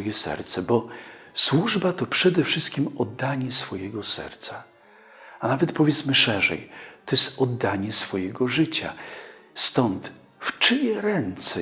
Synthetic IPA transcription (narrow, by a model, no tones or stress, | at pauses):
ɔjɛsɛ̰ɾt̪sɛbɔswuʐbat̪ɔpʂɛd̪ɛfʂɘst̪̚kʲimɔd̪ːaɲɛsfɔjɛɡɔsɛ̰ɾt̪sa | anavɛt̪pɔvʲjɛt̪smɘʂɛʐɛ̰jt̪ɔjɛst̪ɔd̪ːaɲɛsfɔjɛɡɔʐɘt͡ɕa̰ | st̪ɔnt̪ | ft͡ʂɘjɛɾɛnt̪sɛ